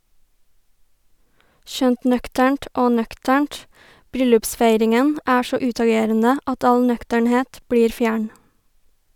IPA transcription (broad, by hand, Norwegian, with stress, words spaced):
ˈʃœnt ˈnœktæɳʈ ˈoː ˈnœktæɳʈ ˈbɾʏlʉpˌsfæɪɾɪŋən ˈæː ˈsɔ ˈʉːtɑˌɡeːɾənə ˈɑt ˈɑl ˈnœktəɳˌheːt ˈbɽiːɾ ˈfjæːɳ